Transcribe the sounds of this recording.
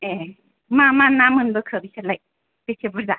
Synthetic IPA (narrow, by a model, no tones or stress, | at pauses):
e | mamanːamɯnbɯkʰɯbisalaj | b̥esʰebɯɾza